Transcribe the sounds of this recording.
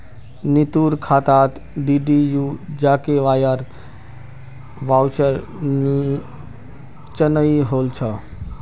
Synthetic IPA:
nit̪uɾkʰat̪at̪ | ɖiɖijud͡ʒakeʋajaɾ | ʋawt͡ʃəɾ | t͡ʃənəiɦolt͡ʃʰə

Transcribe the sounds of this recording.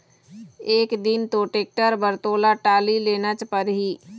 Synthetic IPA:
eːkd̪ɪnt̪oʈeːk̚ʈəɾbəɾt̪oːlaʈaːlileːnət͡ʃpəɾɦiː

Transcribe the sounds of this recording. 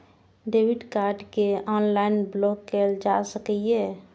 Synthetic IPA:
ɖeːwɪɖkaːɾɖkeɔːnlaːɪnblɔːkːeld͡ʒasəkie

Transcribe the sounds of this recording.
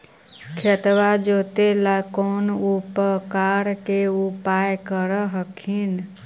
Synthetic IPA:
kʰət̪ʋad͡ʒot̪elakonupəkaɾkeupajkəɾəɦəkʰin

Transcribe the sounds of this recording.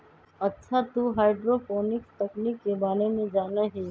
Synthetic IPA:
ɐtːʃʰat̪uɦaːɪɖɾopɔːnɪkst̪ɐkniːkːebaːɾemẽd͡ʒaːnaɦiː

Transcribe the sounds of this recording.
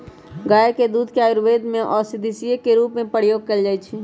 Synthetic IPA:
ɡaeked̪ud̪ʱkeajɾʋed̪ʱmeʔɔsid̪isiekeɾupmepəɾjoɡ̚kəld͡ʒaj̪t͡ʃʰi

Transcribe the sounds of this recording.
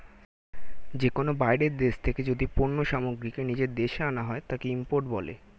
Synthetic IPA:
d͡ʑekonobajɖeɾd̪eʃt̪ʰeked͡ʑod̪ipoɾnːoʃamoɡɾikenid͡ʑeɾd̪eʃeanaɦɔet̪akeimpoɾʈbɔlḛ

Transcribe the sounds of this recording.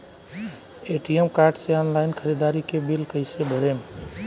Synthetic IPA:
eːʈiemkaːɾɖseɔːnlaːɪnkʰəɾiːd̪aːɾikebilkəɪsebʱəɾeːm

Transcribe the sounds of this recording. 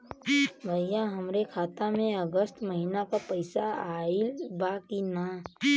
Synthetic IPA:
bʱəjãɦəmɾekʰaːt̪amẽəɡəst̪məɦinakapəɪsaaːilbaːkina

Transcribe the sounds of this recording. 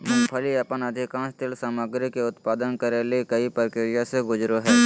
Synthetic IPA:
mɐ̃pʰəliɐpənɐd̪ʱɪkãːnst̪ɪlsaːməɡɾikeʊt̪paːd̪ənkəɾelekɐipɾkɪɾijaseɡʊd͡ʒɾoɦɛː

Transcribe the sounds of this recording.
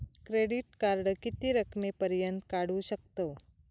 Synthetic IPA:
kɾeɽiʈ̚kaɾɽəkit̪iɾəkʰmepəɾjənt̪kaɽuɕək̚t̪o

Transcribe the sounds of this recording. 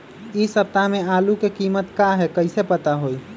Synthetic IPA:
isəp̚t̪amealukekimət̪kaɦɛkəɪsepət̪aɦoj

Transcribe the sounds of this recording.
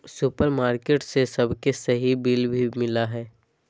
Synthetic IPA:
sʊpəɾmaːɾkeːʈsesɐbʱkesɐɦibiːlbʱimɪlaɦɛː

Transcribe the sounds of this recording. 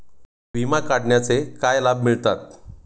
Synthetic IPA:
bimakaɽɳjat͡sekajlabmiɭt̪at̪̚

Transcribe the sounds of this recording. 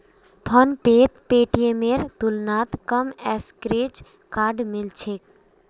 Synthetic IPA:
pʰɔnpeːt̪peːʈijemeɾt̪ʊlnaːt̪kəmɛːskɾeːt͡ʃ | kaːɖmɪlt͡ʃʰeːk̚

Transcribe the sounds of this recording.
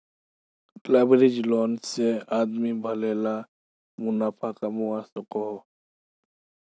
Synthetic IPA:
labɾid͡ʒloːnseaːd̪mibʱɐlela | mʊnaːpʰakamuasəqo

